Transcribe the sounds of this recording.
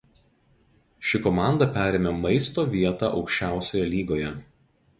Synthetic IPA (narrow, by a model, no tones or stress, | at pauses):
ʃʲɪkɔmɑˑnd̪ɐpʲæːɾʲeːmʲemɐɪst̪oːʋʲiɛt̪ɑ̰ʔɒʊkʃʲt͡ʃʲæˑʊsʲoːjɛlʲiːɡoːjɛ